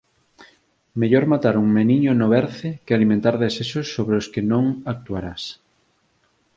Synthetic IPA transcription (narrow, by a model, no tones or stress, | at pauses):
meʎoɾmat̪aɾuŋmeniɲonoβɛɾθɪkealimẽnt̪aɾðeseʃosːoβɾeoskenõŋak̚t̪uaɾas